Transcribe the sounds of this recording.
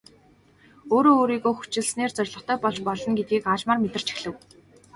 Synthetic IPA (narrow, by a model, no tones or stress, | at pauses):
oːɾoːɾiːɣoːxu̥t͡ɕɪ̆ɮsneːrt͡sœrʲɮɞ̆χt̪ʰœːpɔɮt͡ɕpɔɮɞ̆nɡet̪̚ɡiːkaːɮmaːrmet̪ɘ̆r̥t͡ɕi̥xɮɘ̆w